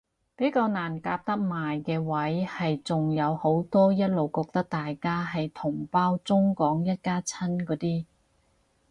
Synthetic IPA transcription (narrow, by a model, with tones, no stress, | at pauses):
pe˨˥jkaː˧wnaː˨˩nkaː˧p̚t̪ɐ˥k̚maː˨jkɛː˧wɐ˨˥jhɐ˨jt͡sʊ˨ŋjɐ˨˧who˨˥wt̪ɔː˥jɐ˥t̚lo˨wkɔː˧k̚t̪ɐ˥k̚t̪aː˨jkaː˥ɦɐ˨jt̪ʰʊ˨˩ŋpaː˥wt͡sʊ˥ŋkɔː˨˥ŋjɐ˥t̚kaː˥t͡sʰɐ˥nkɔː˨˥t̪iː˥